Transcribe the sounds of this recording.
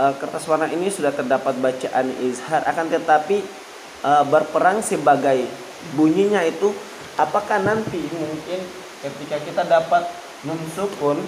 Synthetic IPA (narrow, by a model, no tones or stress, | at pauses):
əkərt̪aswarnaʔinisudaht̪ərdapat̪̚bat͡ʃaʔan̰ʔizharʔa̰kant̪ət̪api | əbərpəɾaŋsəbaɡaj | buɲiɲait̪u | ʔapakahnant̪imuŋkɪn | kət̪ikakit̪adapat̪̚ | məmsukʊn